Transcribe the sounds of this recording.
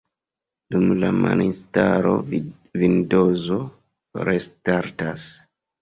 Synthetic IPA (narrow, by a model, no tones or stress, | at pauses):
dumlama̰nistaɾo̞̰ | vindozo | ɾestaɾtas